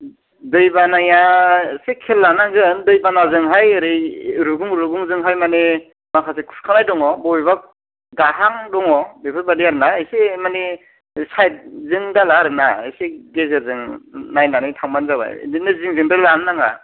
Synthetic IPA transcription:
dɯjbanajasekʰelːanaɡɯndɯjbanazɯŋɦajɯɾɯjɾuɡuŋɾuɡuŋzɯŋɦajmane | makʰasekʰu̥skʰanajdɔŋɔbɔjbak̚ | ɡaɦaŋdɔŋɔbepʰɯɾbadiaɾɯnaːjsemane | sajt̚zɯŋdalaɾɯnaɯ̰jseɡezɯɾzɯŋnajnanɯtʰawmanzaba̰j̰dinɯzɯŋzɯŋdɯlannaŋa̰

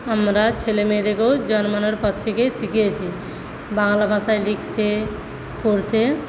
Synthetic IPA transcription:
amɾat͡ʃʰelemed̪ekod͡ʒɔnmanɔɾpɔt̪ʰːekesikijet͡ʃʰi | baŋlabʱasajlikʰt̪e | poɾt̪e

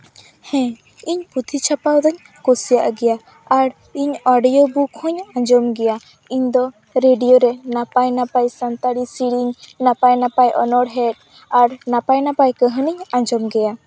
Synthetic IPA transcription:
hɛ̃ | iɲput̪ʰit͡ʃʰapawd̪ɔɲ | kosijaʔɡɛja | aɾ | iɲɔɖijobukʰɔ̃ɲãd͡ʒɔmɡɛja | iɲd̪ɔ | ɾeɖijoɾɛnapajnapajsant̪aɽisiɽiɲnapajnapajʔɔnɔɽɦɛʈ̚ | aɾnapajnapajkəɦəniɲãd͡ʒɔmɡɛja

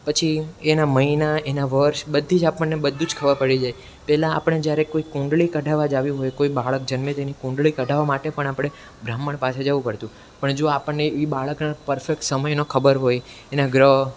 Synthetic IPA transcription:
pət͡ʃʰienaməinaenaʋəɾʃbəd̪ʱːid͡ʒapəɳːebəd̪ʱːũd͡ʒkʰəʋəɾpəɽid͡ʒaj | pɛɦlãːpəɽ̃ed͡ʒjaɾekoikũɳɖɭikəɖʱaʋad͡ʒaʋiɦojkoibaɭək̚d͡ʒənmẽt̪enikũɳɖɭikəɖʱaʋamaʈepəɳ̃apɽ̃e | bɾamːəɳpasʰed͡ʒaʋũpəɾt̪ũ | pəɳd͡ʒoapəɳːeeʋibaɭəknapəɾfek̚ʈsəməjnokʰəbəɾɦoj | enaɡɾəɦ

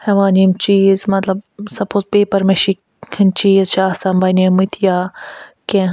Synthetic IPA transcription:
hɐʋaːnimt͡ʃiːzmɐt̪lɐbsɐpoːzpeːpɐɾmeʃik | hint͡ʃiːzt͡ʃʰaːsambɐnimɨt̪ʰijaːkẽ

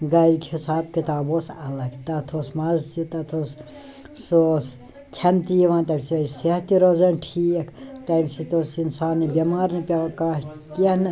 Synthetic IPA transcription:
ɡɐɾikʰisaːb̚kit̪aːboːsɐlɐɡt̪ɐt̪ʰoːsmɐzt̪it̪ɐt̪ʰoːs | soːs | kʲʰɐnt̪iːʋãːnt̪ɐmʲsɐseɦt̪iɾozɐnʈʰiːekʰt̪ɐmʲsit̪oːsinsaːnːibʲimaːɾnipʲɐkãːɦ | ken

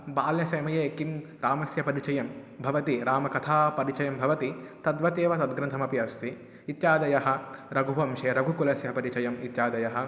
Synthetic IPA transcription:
baːljɐsɐjmɐjɐekin | ɾaːmɐsjɐpɐɾit͡ʃɐjɐm | bʱɐʋɐt̪iɾaːmɐkɐt̪ʰaːpɐɾit͡ʃɐjɐmbʱɐʋɐt̪it̪ɐd̪ʋɐt̪eːʋɐt̪ɐd̪̚ɡɾɐnt̪ʰɐmɐpjɐst̪ʰi | it̪t͡ʃaːd̪ɐjɐɦɐ̆ɾɐɡʱuʋɐmʃeːɾɐɡʱukulɐsjɐpɐɾit͡ʃɐjɐmit̪t͡ʃaːd̪ɐjɐɦɐ̆

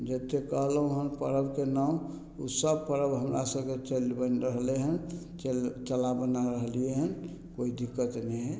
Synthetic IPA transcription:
d͡ʒet̪ekəɦləɦũɦənpəɾəbkenaũ | usəb̚pəɾəbɦəmɾʔasəbket͡ʃelbənɾəɦleɦən | t͡ʃelt͡ʃəlabənaɾəɦlieɦən | koid̪ikːət̪nɛɦɛ

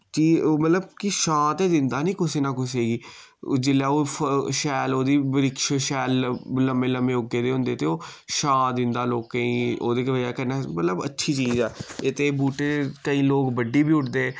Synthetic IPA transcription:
t͡ʃiːmət̪ləb̚kɪʃãːt̪eːd̪ɪnd̪aːnĩːkʊsiːnaːkʊseːɡiː | d͡ʒɪlɛːoːəʃɛːloːd̪iːbəɾɪkʃʃɛːlləmeːləmẽːʊɡeːd̪eːɦʊ̃nd̪eːt̪eːoːʃãːd̪ɪnd̪aːloːkːəĩːoːd̪eːkʋəd͡ʒaːkənːaːmət̪ləbə̰tːʃʰiːt͡ʃiːzɛːɪt̪eːbuːʈeːkəĩːloːkbəɖːiːbiːʊʈd̪eː

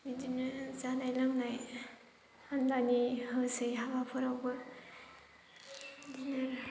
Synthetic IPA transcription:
midinɯzanajlaŋnaj | hanlanihɯsɯjɦabapʰɯɾawbɯ | dinaɾ

